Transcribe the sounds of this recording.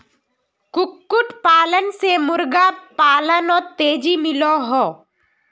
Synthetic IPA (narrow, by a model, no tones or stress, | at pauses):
kʊkːʊʈpaːlənsemʊɾɡapaːlənɔːɾt̪eːd͡ʒimɪloɦoː